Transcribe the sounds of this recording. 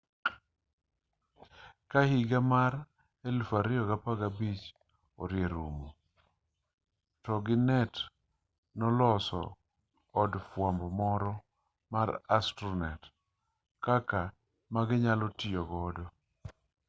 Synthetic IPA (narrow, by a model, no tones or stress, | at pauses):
kahiɡamaɾ | elfaɾɪɔɡapaɡabit͡ʃ | ɔ̰ɾɪeɾumo | tɔɡɪnɛt | nɔlɔsɔ̰ː | dfwambɔmɔɾɔ | maɾastɾunɛt | kaka | maɡɪɲalɔtɪjɔɡɔdɔ